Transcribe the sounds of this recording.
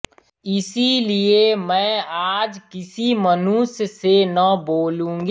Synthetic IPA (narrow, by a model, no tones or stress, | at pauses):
ɪsiliemɛ̃ːaːd͡ʒkɪsimənussenəboːlũːŋ̆ɡ